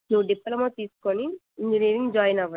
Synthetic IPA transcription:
nuʋːuɖipːɐlɐmoːt̪iːsu̥koni | iɲd͡ʒiniːɾĩŋɡd͡ʒaːjnɐʋɐ

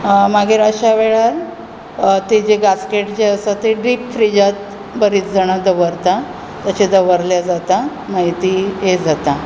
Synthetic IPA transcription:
maɡiɾəɕaʋeɭaɾ | t̪id͡ʑeɡaskeʈd͡ʑeəsat̪eɖɾiːpfɾid͡ʑat̪ | bəɾiːt͡sd͡zaɽ̃ad̪əʋəɾt̪a | t̪jat͡ɕed̪əʋəɾljad͡zat̪a | maɦit̪iːɦed͡zat̪a

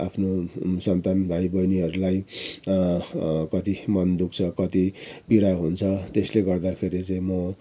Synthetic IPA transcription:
a̰pʰnosʌnt̪anbʱaibʌjniɦʌɾulaj | kʌt̪imʌnd̪uk̚t͡sʰʌkʌt̪ipiɽaɦunt͡sʰʌt̪esleɡʌrd̪akʰeɾit͡saĩmʌ

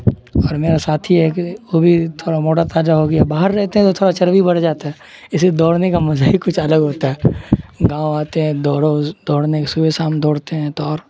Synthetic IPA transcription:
ɔːɾmeːɾasaːt̪ʰiɦɛkiʋobʱit̪ʰoːɽamoːʈat̪aːd͡ʒaɦoːɡjabaːɦəɾːɛɦt̪eɦɛ̃t̪ot̪ʰoːɽat͡ʃɐɾʋibɐɽ̤d͡ʒaːt̪aɦɛ | ɪsed̪ɔːɽnekamɐzaːɦikʊt͡ʃʰɐləɡɦoːt̪aɦɛːɡãːoaːt̪eɦɛ̃d̪ɔːɽõd̪ɔːɽnekesʊbesaːmd̪ʱɔːɽt̪eɦɛ̃t̪oɔːɾ

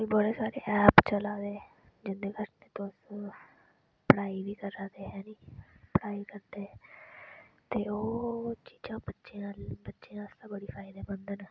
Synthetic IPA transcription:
ĩːboɽeːsaːɾḛːʔɛːpt͡ʃəlaːd̪eː | d͡ʒɪnd̪ekəsneːt̪os | pɽaːiːʋiːkəɾaːd̪eːɦɛːniːpəɽaːiːkəɾd̪eː | t̪eːoːt͡ʃiːd͡ʒãːbətːʃeaːbətːʃeãːəst̪ãːbəɽiːpʰaːɪd̪eːbənd̪ən

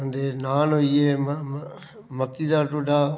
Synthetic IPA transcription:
ənd̪eːnaːnɦoieːm | məkːiːd̪aːʈoːɖaː

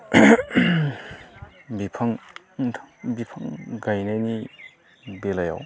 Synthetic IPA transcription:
bipʰaŋʰ | bipʰaŋɡajnajni | belaja̰w

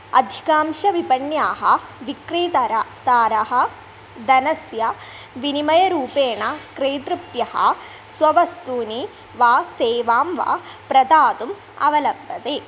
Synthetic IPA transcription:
ɐ̰d̪ʱi̥kaːmʂɐʋipɐɳjaːɦɐʋikɾiːt̪ɐɾat̪aːɾɐɦɐ̆ | d̪ɐnɐsjɐ | ʋinimɐjɐɾuːpeːɳɐkɾeːt̪ɾupjɐhɐ̰ | sʋɐʋɐst̪uːni | ʋaːseːʋaːmʋa̰ː | pɾɐd̪aːt̪um | ɐ̰ʋɐlɐbːɐt̪eː

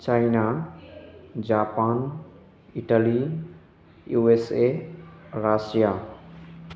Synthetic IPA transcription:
t͡ʃaina | d͡ʒaːpan | iʈali | juese | ɾasija

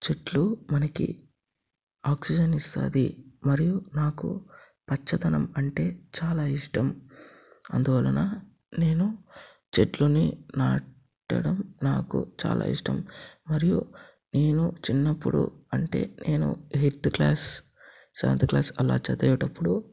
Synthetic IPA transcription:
t͡ʃeɖlumɐnɐkḭ | aːksid͡ʒɐnist̪a̰ːd̪imɐɾijunaːkṵ | pɐt͡ʃːɐt̪ɐnɐmɐɳʈe̞ːt͡ʃaːlaːiʂʈɐm | ɐ̰nd̪uʋaːlɐnaː | ne̞ːnu | t͡ʃeɖluninaː | ʈɐ̰ɽɐmnaːkṵt͡ʃa̰ːlʔa̰ːḭʂʈɐ̰mːɐɾijṵ | ne̞ːnut͡ʃinːɐpːuɽṵɐɳʈe̞̰ːnʔe̞ːnṵɦiɾt̪klaːs | sɐʋɐ̰nt̪iklaːsɐla̰ːt͡ʃɐd̪ɐjuʈɐpːuɽu

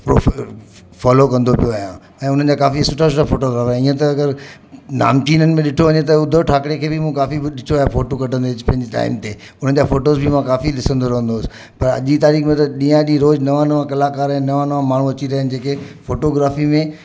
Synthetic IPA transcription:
pɾo | faːlokɐ̃nd̪ʱopijoaːɦjã̰ | ɛ̃ːʊn̤ən̆d͡ʑaːkaːfisʊʈʰas̬ʊʈʰafoːʈoɡɾaːfaːj̃iə̃t̪ɐːɡəɾ | na̰ːmt͡ɕiːnənɪ̆mẽɗɪʈʰoʋɐɲẽt̪̬ɐʊd̪ʱoʈʰaːkɽekʰeːbɪmũkaːfiɗɪʈʰoaːjafoːʈokɐʈʰə̃nd̪eːd͡ʑpɐ̃ɦɪ̃ɲd͡ʑiʈa̰ːɪmt̪e | ʊn̤ən̆d͡ʑaːfoːʈoːzbʱɪmãkaːfilɪsə̃nd̪oɾɐɦə̃nd̪oːsɪ̥ | pɐɾɐ̰ʄit̪aːɾiːxmẽt̪ɐɗĩːãʄiɾoːd͡ʑnɐʋaːnʋãkɐlaːkaːɾɛ̃ːnɐʋaːnʋãmaːɳ̤ũɐt͡ɕiɾɐɦənɪ̆d͡ʑeːkefoːʈoɡɾaːfimẽ

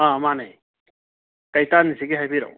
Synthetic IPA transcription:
amanaj | tajtanisiɡiɦajbiɾa̰w

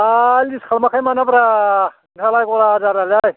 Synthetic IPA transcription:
alʲd̪iskʰalmakʰajmanapɾa | nkʰalajkoɾad͡zaɾalaj

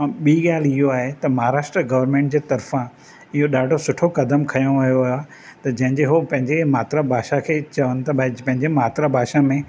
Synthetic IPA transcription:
ɓiːɠaːlɪɦoaːɦet̪ɐmɐɦaɾaːʃʈɾəɡɐʋəɾmẽːɳʈ̚d͡ʑeːt̪ɐɾfã | ɪɦoɗaːɖʱosʊʈʰokɐd̪əmkʰɐjõʋɐɦjoaː | t̪ɐd͡ʑɐ̃ɦɪ̃ɲd͡ʑeɦopɐ̃ɦɪ̃ɲd͡ʑemaːt̪ɾabʱaːʃakʰeːt͡ɕɐʋənɪ̆t̪ɐbpɐ̃ɦɪ̃ɲd͡ʑemaːt̪ɾabʱaːʃamẽ

